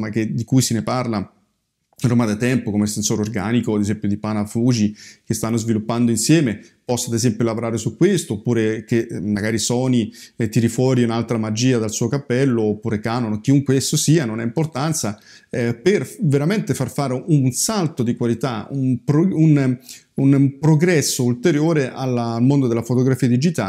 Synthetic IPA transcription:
maked̪ikujseneparla | romad̪at̪ɛmpokomesensoːɾeorɡa̰ːnikoad̪ezɛmpjod̪ipanafuːd͡ʒikest̪anːozvilupːand̪oinsjɛːme | pɔsːad̪ezɛmpjolavoɾaːɾesukːwest̪oːpːuːɾekemːaɡaːɾisɔːnit̪iɾifɔɾiunalt̪ɾamad͡ʒiːad̪alsuːokapːɛlːoːpːuːɾekanonok̟iuŋkwesosiːanonɛimport̪ant̪sa | perveɾament̪efarfaːɾeʔunsalt̪od̪ikwalit̪aṵmpɾun | unpɾoɡɾɛsːoult̪eɾjoːɾeʔalːalmond̪od̪elafot̪oɡɾafiːad̪id͡ʒit̪a̰

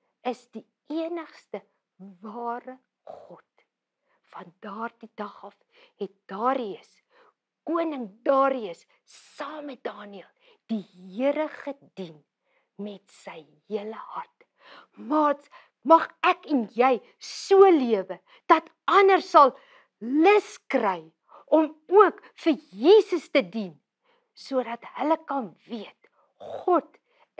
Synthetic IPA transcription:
əsdi | iənəχstə | vɑːrə | χɔt | fɐndɑːrdidɐχɐf | ɦɛt̚d̥ɑːɾiəs | kuənəŋdɑːɾiəsː | ɑːmət̚dɑːniəlˠ | d̥iɦiəɾəχədin | mɛtsəj | ɦiələɦɐrt | mɑːts | mɐχækɛnjɛj | suəliəvə | d̥ɐt | ɐnərsɐlˠ | ləskrɛj | ʔɔmuək | fərjiːsəstədin | suədɐthələkɐnviət̚ | χɔt

